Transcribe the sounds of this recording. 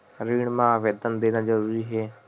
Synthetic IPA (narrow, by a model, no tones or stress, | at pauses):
ɾiːɳmãːʋeːd̪ənd̪eːnad͡ʒəɾuːɾiɦɛː